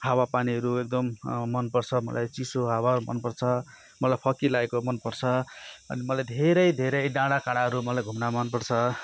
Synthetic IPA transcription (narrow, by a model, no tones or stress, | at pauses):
ɦawapaniɦʌɾuek̚d̪ʌmːʌnpʌrt͡sʰʌmʌ̰lʔajt͡sisoɦawaumʌ̰npʌrt͡sʰʌ | mʌlajpʰʌkilaekomʌnpʌrt͡sʰʌʌ̰nimʌlajd̪ʱeɾʌjd̪ʱeɾʌjɖãɽakaɽ̃aɦʌɾumʌlajɡʱumnamʌnpʌrt͡sʰʌ